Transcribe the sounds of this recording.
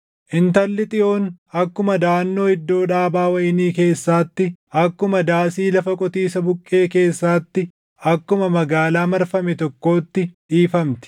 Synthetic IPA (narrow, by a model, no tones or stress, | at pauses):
ʔɪnt̪ɐlːɪt̪ʼɪʔo̞ːnɐkːʊmɐd̪aːnːo̞ːhɪd̪ːo̞ːᶑaːbaːwɐjɪniːke̞ːsːaːt̪ːɪʔɐkːʊmɐd̪aːsiːlɐfɐkʼɔt̪iːsɐbʊkʼːe̞ːke̞ːsːaːt̪ːɪ | ɐkːʊmɐmɐɡaːlaːmɐɾfɐmɛt̪ɔkːo̞ːt̪ːɪᶑiːfɐmt̪ɪ̥